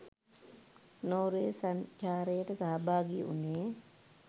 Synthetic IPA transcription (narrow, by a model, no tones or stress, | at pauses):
noːɾesat͡ʃaːɾeːtɐsaabaːɡiʔṵne